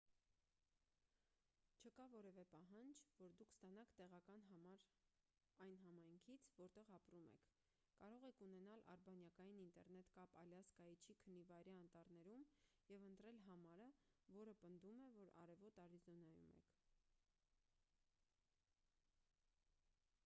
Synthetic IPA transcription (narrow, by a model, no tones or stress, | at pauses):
t͡ʃʰəkɑvɔɾɛvɛpɑɦɑnd͡ʒvɔɾd̪ukʰst̪ɑnɑkʰt̪ɛʁɑkɑnɑmɑɾ | ɑjnɦɑmɑjŋkʰit͡sʰvɔɾt̪ɛʁɑpɾumɛ̰kʰ | kɑɾɔʁɛkʰunɛnɑlʔɑ̰ɾbɑnjɑkɑjinint̪ɛɾnɛt̪kɑpɑljɑskɑjit͡ʃʰikʰənːivɑjɾiɑnt̪ɑɾnɛɾumjɛvənt̪ɾɛlɦɑmɑɾəvɔɾəpənd̪umɛvɔɾɑ̰ɾɛvɔt̪ɑɾizɔnɑjṵmɛ̰kʰ